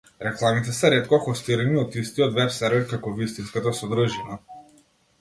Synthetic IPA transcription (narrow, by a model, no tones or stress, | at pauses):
ɾɛklˠamit̪ɛsɛɾɛt̪kɔxɔst̪iɾaniɔt̪ist̪iɔt̪vɛpsɛɾvɛɾkakɔvist̪inskat̪asɔd̪ɾuʒina